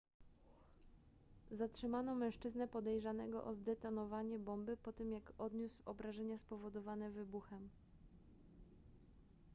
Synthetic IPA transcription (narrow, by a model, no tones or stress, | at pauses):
zatʂɘmanɔ̃mɛ̃w̃ʂt͡ʂɘznɛpɔd̪ɛjʐanɛ̰ɡɔ̰ʔɔzd̪ɛt̪ɔnɔvaɲɛbɔmbɘpɔt̪ɘmjakɔd̪ɲuswɔbɾaʐɛɲaspɔvɔd̪ɔvanɛvɘbuxɛm